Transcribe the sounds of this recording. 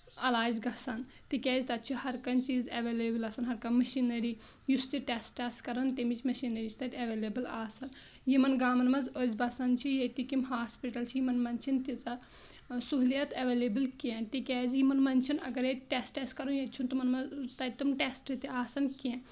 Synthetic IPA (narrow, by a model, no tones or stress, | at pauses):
ɐlaːd͡ʒɡɐsɐn | t̪ikʲɛːzit̪ɐt͡ʃʰuhɐɾkɐnt͡ʃiːzɐʋeːleːbɨlɐːsɐnɦɐɾkɐmɐʃinɐɾi | just̪iʈesʈeːsʈkɐɾɐnt̪emit͡ʃʰmɐʃinɐɾit͡ʃʰit̪ɐt̪ʲɐʋeːleːbɨlaːsɐn | jimɐnɡaːmɐnmɐzoːzʲbɐsɐnt͡ʃʰijet̪ikimɦaːspiʈɐlt͡ʃʰiimɐnmɐnʲt͡ʃʰint̪it͡sɐ | suɦlijɐt̪ɐʋeːleːbɨlkent̪ikʲɛːzjimɐnmɐnt͡ʃʰɐnɐ̰ɡɐɾet̪ʈeːsʈeskɐɾunjet͡ʃʰunt̪umɐnmɐt̪ɐt̪ɐmʈeːsʈɨt̪iaːsɐnkẽ